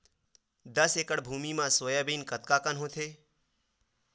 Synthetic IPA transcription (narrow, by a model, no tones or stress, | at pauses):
d̪əseːkəɽbʱuːmimãsoːjabiːnkət̪kaːkənɦõt̪ʰeː